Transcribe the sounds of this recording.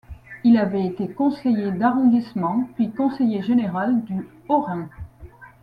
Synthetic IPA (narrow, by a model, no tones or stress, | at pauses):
ilavɛet̪ekɔ̃sejed̪aʁɔ̃d̪ismɑ̃pɥikɔ̃sejeʒeneʁald̪y | ɔʁɛ̃